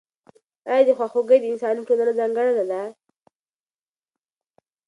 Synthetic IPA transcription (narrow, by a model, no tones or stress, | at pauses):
ajɑd̪exwaxoɡəjd̪ɪnsɑniʈʰolanazaŋɡəɽanad̪a